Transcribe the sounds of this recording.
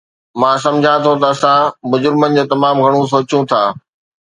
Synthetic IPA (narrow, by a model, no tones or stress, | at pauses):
mãːs̬ɐ̃md͡ʑʱãt̪ʰot̪ɐːsãmʊd͡ʑʊɾɪmənɪ̆d͡ʑoːt̪ɐmaːmɡʱɐɽ̃ũs̬oːt͡ɕũt̪ʰaː